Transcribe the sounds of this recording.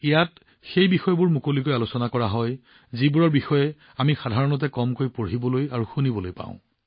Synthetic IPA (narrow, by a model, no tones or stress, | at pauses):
ijat | xejbixɔjbʊɹmukolikojalusɔnakɔɹaɦɔj | zibuɹɔɹbixɔjɛ | amixadʱaɹɔnɔt̬ɛkɔmkojpoibɔlojaɹuxunibɔlojpã̰ʊ̃